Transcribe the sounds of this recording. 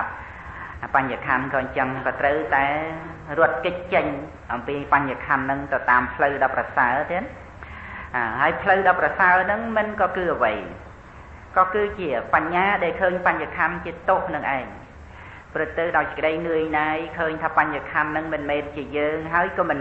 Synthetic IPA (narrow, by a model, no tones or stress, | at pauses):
p̚ | ʔpaɲaːkʰankɑːɲt͡ɕəŋkɑːt̪rəwt̪aɛrʊət̪̚kɨc̚t͡ɕəɲ | ʔɑmpiːpaɲːaːkʰanːɨŋt̪ɨwt̪aːmpʰləwɗɑprɑsaət̪iən | ʔaːɦaəjpʰləwɗɑːprɑsaənɨŋmɨnkɑːkɨːʔəʋəj | kɑːkɨːt͡ɕiəpaɲːaːɗaɛlkʰəːɲpaɲhaːkʰant͡ɕiət̪ohnɨŋʔa̰ɛŋ | prɨt̪ːɨwɗaɔjsə̥̆kəɗəjnɨəjnaːjkʰəːɲt̪ʰaːpaɲːakʰanːɨŋmɨnmeːnt͡ɕiəjəːŋɦaəjkɑːmɨn